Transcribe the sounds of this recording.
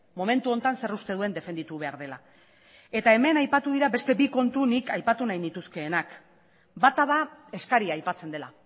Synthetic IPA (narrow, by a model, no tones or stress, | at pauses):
mo̞me̞nt̪uo̞nt̪anse̞rust̪e̞ð̞ue̞nd̪e̞fe̞nd̪it̪uβ̞e̞aɾð̞e̞la̰ | e̞t̪ae̞me̞najpat̪uðiɾabe̞st̪e̞biko̞nt̪unikajpat̪unajnit̪uske̞ːnak | bat̪aðae̞skaɾiaːjpat͡se̞nd̪e̞la